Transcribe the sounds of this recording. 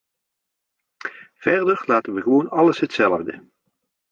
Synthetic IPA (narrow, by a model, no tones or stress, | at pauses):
v̥ɛrdəɹlaːtənʋəɣəʋoːnɑləsɦətsɛləvdə̰